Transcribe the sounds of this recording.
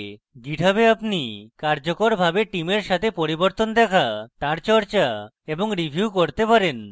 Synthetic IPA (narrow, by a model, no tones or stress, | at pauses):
ɡiʈabeapnikaɾd͡ʑokoɾbʱabeʈimeɾʃat̪ʰepoɾiboɾt̪ond̪ɛkʰat̪aɾt͡ɕɔɾt͡ɕa | eboŋɾibʱijukoɾt̪epaɾen